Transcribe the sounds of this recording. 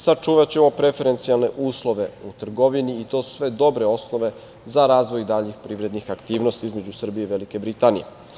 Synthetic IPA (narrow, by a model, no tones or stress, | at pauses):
sat͡ʃuːʋat͡ɕe̞mo̞pɾe̞fe̞ɾe̞nt̪sialˠne̞ʔuːslˠo̞ʋe̞ut̪r̩ɡo̞ʋiniːt̪o̞su̥sʋe̞d̪o̞bɾe̞o̞sno̞ʋe̞ | zaɾaːzʋo̞jd̪aʎixpɾiːʋɾe̞d̪nixakt̪iːʋnost̪iizme̞d͡ʑusr̩bijeiʋelike̞bɾit̪anije